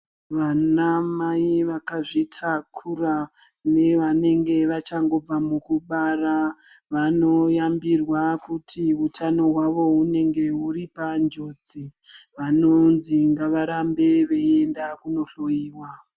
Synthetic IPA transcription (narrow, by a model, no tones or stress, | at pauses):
ʋanamaiʋakaʐitʰakʰura | ne̞ʋane̞ŋɡe̞ʋat͡ʃaŋɡo̞b͡vamukuɓaraʋano̞jambirwakutʰiutʰano̞ɦwaʋo̞une̞ŋɡe̞uɾipand͡ʒo̞d͡zi | ʋano̞nziŋɡaʋaɾambe̞ʋe̞endakuno̞ɬo̞jiːwa